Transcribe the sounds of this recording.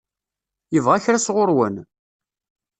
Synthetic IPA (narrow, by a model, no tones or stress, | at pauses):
jəvʁaçɾasʁʊɾwən